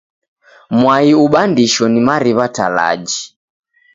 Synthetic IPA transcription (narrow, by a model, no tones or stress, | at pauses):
mwaiuɓandiʃɔnimaɾiβata̰la̰d͡ʒi